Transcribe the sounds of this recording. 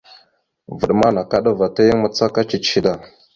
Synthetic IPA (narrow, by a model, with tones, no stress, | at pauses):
və˨ɗma˦na˨ka˦ɗa˦va˨ta˦jə˦ŋma˨t͡sa˦ka˦t͡ʃi˨t͡ʃi˦da˦˨